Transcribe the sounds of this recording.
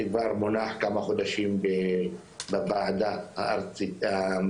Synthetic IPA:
iɡvaɾmonaħkamaχo̞d̪aʃimbe | bavaʕd̪ahaaɾia

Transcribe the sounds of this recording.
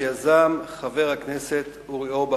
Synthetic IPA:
jazamχave̞ʁhakneset̪ | uʁioba

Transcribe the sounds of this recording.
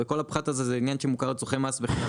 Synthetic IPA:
eko̞lapχat̪azezeinjanʃemukaʁt͡soχemasveχ

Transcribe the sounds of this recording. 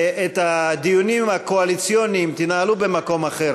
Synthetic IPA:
et̪ad̪ijunimakoalit͡sjonimt̪inaalube̞mako̞maχe̞ʁ

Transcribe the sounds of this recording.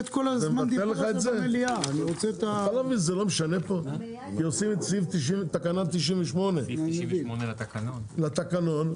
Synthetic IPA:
t̪kolazememaant̪eleχaetzeeliaːniʁot͡seet̪aalavmizelo̞meʃanepo̞ | kiosimesift̪iʃit̪akanat̪ːiʃinɱveʃmo̞ne̞iklat̪akano̞n

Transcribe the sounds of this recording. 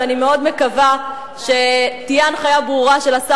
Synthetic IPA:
anime̞o̞dme̞kava | ʃe̞tijaanχajabʁuʁaʃe̞lasa

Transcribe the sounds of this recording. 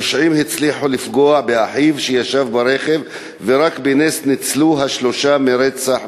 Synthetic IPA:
ʃʕimhit͡sliħulifɡoaʕbeaħivʃejaʃavbaɾeχevː | eɾakbenesnit͡sluɦaʃlo̞ʃameɾet͡saħ

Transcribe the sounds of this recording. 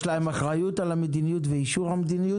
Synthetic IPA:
laemaχʁajutalamed̪inijutveiʃuʁhamed̪iniju

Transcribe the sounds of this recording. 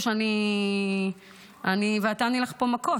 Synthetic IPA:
ʃeani | aniveatanileχpomako

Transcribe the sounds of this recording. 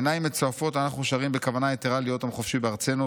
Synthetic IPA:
naimːet͡soafo̞t̪anaχnuʃaʁimbekavanajet̪eʁalijo̞t̪amχo̞fʃibeaʁt͡se̞nu

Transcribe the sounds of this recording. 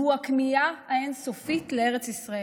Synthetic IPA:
uakmiaaensofit̪leeʁet͡sisʁae

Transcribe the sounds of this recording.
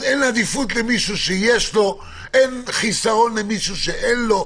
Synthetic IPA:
enaðifut̪emisusejest̪o | enχisaonemisuseʔenlo

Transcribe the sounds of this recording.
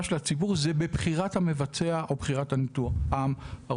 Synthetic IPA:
aʃelat͡sibuʁzebebχiʁathame̞vat͡se̞aʔo̞bχiʁatanituχamha

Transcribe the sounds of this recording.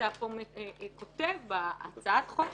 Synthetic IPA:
apomekot̪evbaa̰t͡saat̪χo

